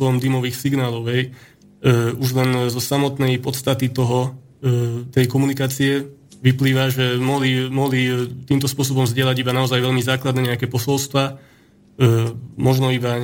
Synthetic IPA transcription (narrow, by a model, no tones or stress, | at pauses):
ɔɔmd̪imɔʋiːxsiɡnaːlɔʊɛj | uʒlɛnzɔsamɔt̪nɛjpɔt̪st̪at̪it̪ɔɦɔ | t̪ɛjkɔmunikaːt͡siɛʋipliːʋaʒɛmɔɦlimɔɦlit̪iːmt̪ɔspʊɔs̬ɔbɔmzɟɪɛlaɟibanaɔzajʋɛʎmizaːklad̪nɛɲɛakɛpɔsɔlst̪ʋa | mɔʒnɔiba